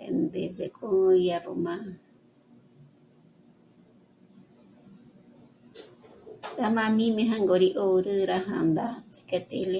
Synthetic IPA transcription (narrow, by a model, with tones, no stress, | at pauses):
ḛ˨nd̪e˨ze˨kʰo˦˧ja˧ro̰˨ma˦ | ɾa˦mã˧mĩ˦mẽ˧ɦã˦ŋɡo˨ɾi˧ʔo˦˨ɾɨ˦ɾa˧ɦã̰˨nd̪a˦t͡si̥ka˧t̪ḛ˨le˦